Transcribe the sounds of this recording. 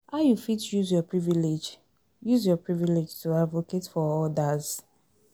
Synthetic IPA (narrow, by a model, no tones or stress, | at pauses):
ajufitjuzjɔpɹiviled͡ʒ | juzjɔpɹiviled͡ʒtuadvoketfɔɔdaz̥